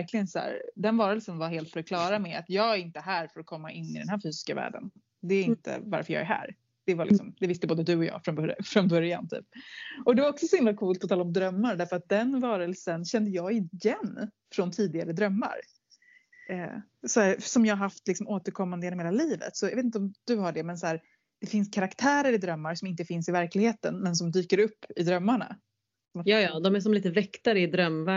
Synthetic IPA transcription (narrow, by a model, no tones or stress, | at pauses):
ɾklɪənsæ̰ːɾd̪ɛnvɑːɾəlsənvaɾɦeːlt̪fœɾɔkʰlɑːɾamɛa̰t̪jɑːɡæɾɪnt̪əɦæːɾfœɾɔkʰɔmːaʔɪnːɪd̪ɛ̰nhæːɾfyːsɪ̥skavæ̰ːɖə̰n | d̪ɛɪnt̪ə̰va̰ɾfœɾjɑ̰ɡæɾɦæ̰ːɾ | d̪̥ɛvalɪksɔmd̪ɛvɪst̪əboːd̪əd̪ɵɔjɑ̰ːfɾɔnfɾɔnbœɾja̰nt̪ʰy̰ːpɔkd̪ɛvaɾɔksɔsɔhɪmlakʰuːlt̪̚pʰɔt̪ɑːlaɔmd̪ɾœmːaɾɖ̪æɾfœɾat̪̚d̪ɛnvɑːɾəlsənɕɛnd̪əjɑːɪjɛnː | fɾɔnt̪ʰiːd̪ɪɡaɾəd̪ɾœmːa̰ɾ | ɛ | sɔhæːɾsɔmjɑːhaɾɦaft̪lɪksɔmoːt̪əɾkʰɔmːand̪əjɛnɔmheːlaliːvə̰t̪sɔjɑ̰vet̪t̪ɔmd̪̥ɵɦaɖɛmɛnsɔæːɾ | d̪̥ɛfɪnskʰaɾakt̪ʰæːɾəɾɪd̪ɾœmːaɾʂɔmɪnt̪əfɪnsɪvæɾklɪɡheːt̪ə̰nmɛns̬ɔmd̪yːkəɾɵpːɪd̪ɾœmːaɳa̰ | smjɑːjɑːd̪ɔmæʂɔmliːt̪əvɛkt̪aɾəɪd̪ɾœmːvæ